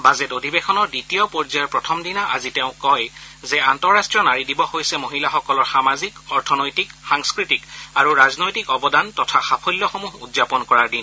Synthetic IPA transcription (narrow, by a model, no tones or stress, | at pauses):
bazɛtodʱibɛxʰɔnɔɹditijɔpɔɹzajɛɹpɹɔtʰɔmdinaʔa̰zitɛʊ̃kɔjzɛantɔɹːastɹijɔnaɹidibɔhojsɛmoɦilaxɔkɔlɔɹxamazikɔɹtʰɔnojtikxaŋskɹitikaɹuɹaznojtikɔbɔdantɔtʰaxapʰolːɔxomuɦṵdzapɔnkɔɹaɹdin